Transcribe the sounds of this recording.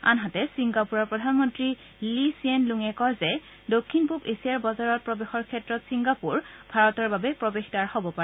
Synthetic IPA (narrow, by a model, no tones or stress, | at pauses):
a̰nɦatɛsiŋɡapuɹɔɹpɹɔdʱanmɔntɹi | lisienluŋɛkɔɹzɛ | dokʰːinpupesijaɹbɔzaɹɔt̚pɹɔbexɔɹkʰɛtɹɔtsiŋɡapuɹbʱaɹɔtɔɹbabɛpɹobexdaɹhobɔpaɛ